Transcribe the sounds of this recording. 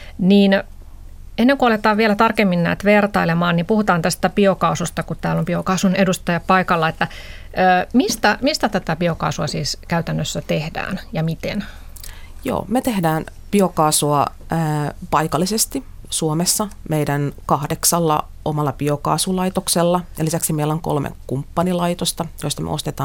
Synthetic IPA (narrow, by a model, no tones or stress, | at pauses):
niːn | enːeŋkuɑlet̪ɑːʋielæt̪ɑrkemːinnæ̰ːt̪ʋert̪ɑilemɑːnnimpuhut̪ɑːnt̪æst̪æpiokɑusust̪ɑkutt̪æːlompiokɑsunedust̪ɑjɑppɑikɑlːɑet̪ːæː | mist̪æmist̪æt̪æt̪æpiokɑ̰ːsuɑsiːskæyt̪ænːøsːæt̪ehdæ̰ːnjɑmit̪ḛn | jo̰ːmet̪ehdæːn | piokɑːsuɑ | əpɑikɑlːisest̪i | suomesːɑmeidænkɑhdeksɑlːɑ̰ | omɑlːɑpiokɑ̰ːsulɑit̪okselːɑjɑlisæksimeilːoŋko̰lmḛkumpːɑnilɑit̪ost̪ɑjoist̪ɑmḛost̪et̪ɑː